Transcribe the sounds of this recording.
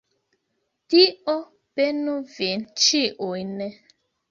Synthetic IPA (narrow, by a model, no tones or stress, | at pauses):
diɔ | b̥enuven̩t͡ʃiʔoinɛ